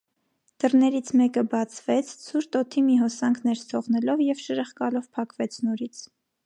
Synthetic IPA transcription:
d̪̥ərnɛɾit͡sʰmɛkəbɑt͡sʰvɛt͡sʰt͡sʰuɾt̪ɔt̪ʰimiɦɔsɑŋkʰnɛɾst̪ʰɔʁnɛlɔvjɛvʃəɾəχkɑlɔvpʰɑkvɛt͡sʰnɔɾit͡sʰ

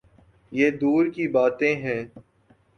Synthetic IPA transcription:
jeːd̪uːɾkibaːt̪ẽɦɛ̃ː

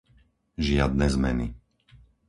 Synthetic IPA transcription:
ʒɪad̪̚nɛzmɛ̰ni

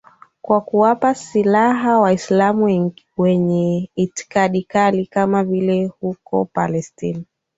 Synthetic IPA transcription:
kwakuwapasilaɦawaislamuŋ | wɛɲɛiti̥kaɗikalikamavilɛhukɔ̰palɛstina

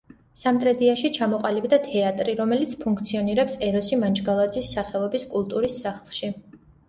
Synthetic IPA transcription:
samt̪ʼɾɛd̪iaʃit͡ʃʰamɔqʼalibd̪at̪ʰɛat̪ʼɾiɾɔmɛlit̪sʰpʰuŋkʰt̪sʰiɔniɾɛpsɛɾɔsimant͡ʃʼɡalˠad̪zisːaχɛlˠɔbiskʼulˠt̪ʼuɾisːaχlˠʃi

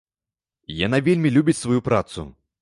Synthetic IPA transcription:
ja̰n̪avʲelʲmʲilʲubʲit͡sʲsvajupɾat̪sṵ

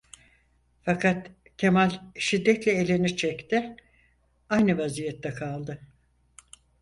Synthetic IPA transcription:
fakʰat̪ | cʰe̞malʲʃid̪ːɛt̪lʲɛelʲinit͡ʃʰɛct̪ɪ | ajnɯvazijɛt̪ːɛkʰalˠd̪ɯ

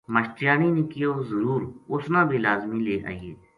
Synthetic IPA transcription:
məʃʈɪjaːniːnɪkiozəɾuːɾʊsnãːbʱilaːzmĩːleːʔa̰ːieː

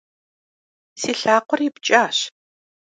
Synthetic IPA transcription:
siːɬaːqʷɔript͡ʃʼaːɕ

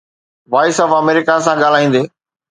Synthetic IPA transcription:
ʋaːɪsɔːfɐmeːɾɪkasãɠaːl̤aːĩːnd̪eː

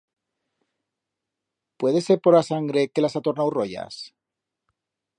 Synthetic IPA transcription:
pwe̞ðe̞seɾpo̞ɾasaŋɡɾe̞ke̞lasat̪o̞ɾnawro̞ʝa̰s

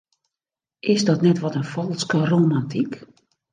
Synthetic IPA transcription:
ʔɪsdɔtnɛtʋɔtənfɔlˠskəroːmantik

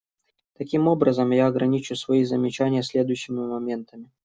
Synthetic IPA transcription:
t̪ɐkʲimo̞bɾəzəmjaɐɡɾɐnʲit͡ɕʊsvɐizəmʲɪt͡ɕænʲɪjəsʲlʲed̪ʊjʊɕːɪmʲɪmɐmʲent̪əmʲɪ

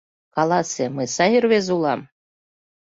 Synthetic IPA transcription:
kɑlˠɑsemɨsɑjirβezulˠɑm

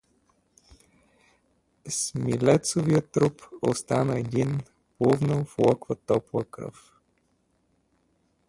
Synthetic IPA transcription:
smilɛt̪soviət̪ːɾupo̰st̪anəɛd̪in | plɔvnəflˠɔkvət̪ɔplˠəkɾɤ̰f

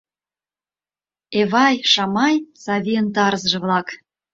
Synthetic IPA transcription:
eβɑjʃɑmɑjsɑβʲiənt̪̬ɑɾzʒɤ̆βlɑk

